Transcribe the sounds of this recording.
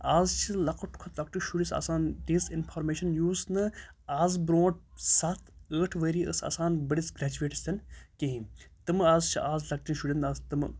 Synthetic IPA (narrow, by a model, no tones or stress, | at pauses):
aːzt͡ʃʰilɐkʰuʈʰkʰɔt̪ʰlɐkʈiʃuɽisɐ̰saːnɖisinpʰaːɾmeːʃɐnjuːznɨ | aːzbɾõːʈ̚sɐt̪ʰəːʈʰʋəːɾiːəsɐ̰saːnbəɽisɡɾɛd͡ʒuʋeːʈi̥st̪ʰɐnkiɦĩt̪ɨmaːzt͡ʃʰiʔaːzlɐk̚ʈ̪ʲinʃuɽʲind̪aːzt̪ɨm